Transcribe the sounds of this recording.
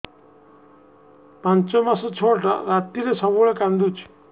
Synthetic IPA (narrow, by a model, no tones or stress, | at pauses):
pant͡ʃɔmasɔt͡ʃʰoʈa̰ɾat̪ːiɾesɔbuɭekand̪ut͡ʃʰ